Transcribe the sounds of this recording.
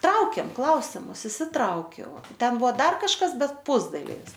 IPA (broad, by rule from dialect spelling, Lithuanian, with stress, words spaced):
ˈtrɐʊkʲeːm ˈklˠɐʊsʲɪmʊs ɪʃʲsʲɪˈtrɐʊkʲɛʊ ˈtʲɛn ˈbʊʋoː ˈdɐr kɐʃˈkɐs ˈbʲɛt ˈpʊzdɐlʲɪʋʲɪs